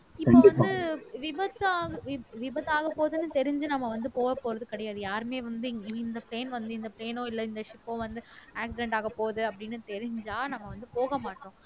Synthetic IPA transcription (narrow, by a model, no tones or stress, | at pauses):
ɪːoʋɐnd̪ɯʋɪbɐt̪ːaːɐʋɪʋɪbɐðaːɣɐpːoːðɯnːɯt̪ɛɾɪɲd͡ʒɯnɐmːɐʋɐnd̪ɯpoːɣɐpːoːɾɐðɯkɪɽɐjaːðɯjaːɾɯmeːʋɐnd̪ɯɪnd̪ɐpɾeːnʋɐnd̪ɯɪnd̪ɐpɾeːnõːɪlːɐɪnd̪ɐʂɪpːõːʋɐnd̪ɯaːksɪɖɛɳɖaːɣɐpoːðɯɐpːɐɽɪnːɯt̪ɛɾɪɲd͡ʒaːnɐmːɐʋɐnd̪ɯpoːɣɐmaːʈːõː